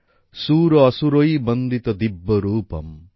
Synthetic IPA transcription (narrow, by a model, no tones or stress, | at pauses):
suːɾɔːsuɾojbɔnd̪ʱit̪ɔd̪ibːɔɾuːpɔ̰m